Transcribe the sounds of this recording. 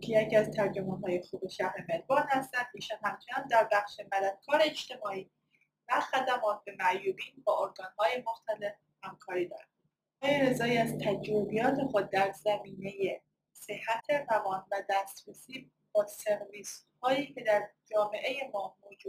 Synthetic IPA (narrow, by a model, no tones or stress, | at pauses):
kʰejecʰiæzt̪ʰæɾd͡ʒomɒːnɦɒːje̞xuːbeʃæhɾemeɾbɒːnhæst̪ænd̪miːʃɔnhæmt͡ʃʰenæmd̪æɾbæxʃe̞mæd̪æd̪̥̚kʰɒːɾe̞eʃt̪e̞mɒːʔiː | væxæd̪æmɒːt̪̚ʰbe̞mæʔjuːbiːnbɒːoɾɡɒːnhɒːje̞moxt̪æle̞f | hæmkʰɒːɾiːd̪ɒ̰ːɾæ | mɒjiɾezɒːiæzt̪ʰæd͡ʒɾobijɒːt̪ʰe̞xod̪̚d̪æɾzæmiːne̞je | se̞hæt̪ʰe̞ɾævɒːnvæd̪æːst̪ɾesiː | b̥ɒːse̞ɾviːshɒːiːcʰe̞d̪æɾd͡ʒɒːme̞ʔe̞je̞mɒːmoːd͡ʒuː